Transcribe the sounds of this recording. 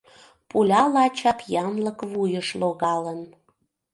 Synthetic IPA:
pulʲɑlɑt͡ɕɑt̪jɑmləkβujəʃloɣɑlən

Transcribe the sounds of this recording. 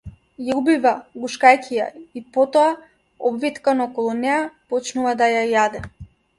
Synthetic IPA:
jaubivaɡuʃkajcʲija̰ipɔt̪ɔa | ɔbvit̪kanɔɔkɔlˠunɛjapɔt͡ʃnuvad̪ajajad̪ɛ

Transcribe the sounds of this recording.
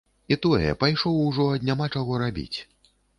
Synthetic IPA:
it̪ɔjɛ̰pajʂɔwuʐɔɐd̪ʲnʲamat͡ʂaɣɔɾabʲḭt͡sʲ

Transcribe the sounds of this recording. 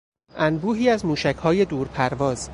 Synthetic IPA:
ʔænbuːɦiːæzmuːʃæcʰhɒːje̞d̪uːɾpʰæɾvɒːz̥

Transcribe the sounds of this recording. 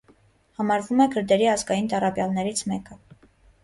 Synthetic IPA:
hɑmɑɾvumɛkʰəɾd̪ɛɾiɑzɡɑjint̪ɑrɑbjɑlnɛɾit͡sʰmɛkə

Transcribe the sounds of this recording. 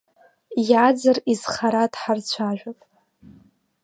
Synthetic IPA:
jad͡zariz̥χaɾadħart͡sʷʰaʒᶣapʼ

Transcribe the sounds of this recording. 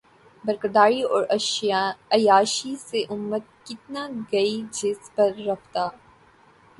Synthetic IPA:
bɐɾkəɾd̪aːɾiɔːɾɐ | ɐjaːʃiseʔʊmːət̪̚kɪt̪naɡɐid͡ʒɪspɐɾːɐft̪aː

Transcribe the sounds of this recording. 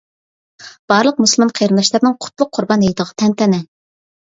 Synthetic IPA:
b̥ɑɾlˠəq̚muslˠmɑnqʰejɾɨnd̪ɑʃlˠɑɾnɨŋqʰʊ̥t̪ʰlˠʊq̚ʰːʊɾbɑnɦejd̪əʁɑt̪ʰɛnt̪ɛnɛ

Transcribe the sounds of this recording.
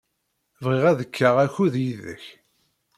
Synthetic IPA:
vʁiʁæðəkʰːaʁæçuðjiðə̰ç

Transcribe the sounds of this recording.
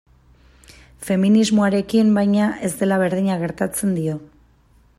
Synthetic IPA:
fe̞minizmo̞aɾe̞kimbajɲaʔe̞zd̪e̞laβe̞ɾð̞iɲaɣe̞ɾt̪at͡se̞nd̪io̞

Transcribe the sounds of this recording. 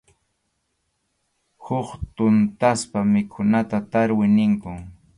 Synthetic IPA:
hʊχt̪ʊnt̪aspamɪkʰʊnat̪at̪aɾwɪnɪŋkʊŋ

